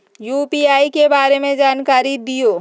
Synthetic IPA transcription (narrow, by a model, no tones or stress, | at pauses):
juːpiaːikebaːɾemẽd͡ʒaːnkaːɾid̪ijoː